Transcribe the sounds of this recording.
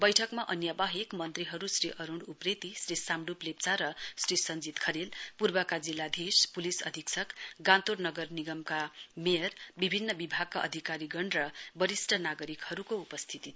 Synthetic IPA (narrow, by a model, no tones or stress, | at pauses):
bʌjʈʰʌkmaʔʌnjabaɦekmʌnt̪riɦʌɾusriʔʌɾuɳɖupret̪isrisamɖuplep̚t͡saɾʌsrisʌnd͡zit̪kʰʌɾelpurbʌkad͡zilːad̪ʱespulisʌ̰d̪ʱiksʰʌkɡãnt̪ornʌɡʌrniɡʌmkamejʌrbibʱinːʌbibʱaɡ̚kaʔʌ̰d̪ʱikaɾiɡʌɳrʌbʌɾisʈʰʌnaɡʌɾikhʌɾukoupʌst̪ʰit̪i